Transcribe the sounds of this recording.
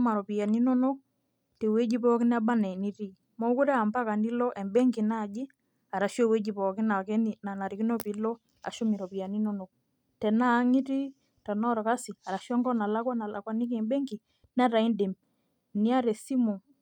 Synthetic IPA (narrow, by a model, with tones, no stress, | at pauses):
ma˨ɾɔ˨pi˨ja˨ni˦no˦no˦k̚ | te˨we˦d͡ʒi˦pɔː˦ki˦n˦a˦ba˦nɛ˨ni˦ti˦ | mɔ˦ku˦ɾɛ˦a˨mba˦ka˨ni˦lɔ˦ʔɛ˨mbe˦ŋɡi˨na˦˨ɟɪ˦ | a˨ɾa˨ʃɔ˦˨we˦d͡ʒi˨pɔ˨kɪ˦na˨kɛ˦ni˨na˨na˨ɾi˨ki˦nɔ˦pi˨lɔ˦ | a̰˨ʃo˦mi˨ɾɔ˨pi˨ja˨ni˦no˦no˨k̚ | tɛ˨naː˦˨˦ŋi˦ti˦ | ta˨nɔ˦ɾɔ˨ka˦si˨a˨ɾa˨ʃwɔ˦ŋɡɔ˦na˨la˦kwa˦na˨lʔa̰˨kwa˦ni˦ki˦ɛ˨mbɛ˦ŋɡi˨ | na˦ta˨i˦nde˨m | ni˦a˦ɾe˨si˦mo˨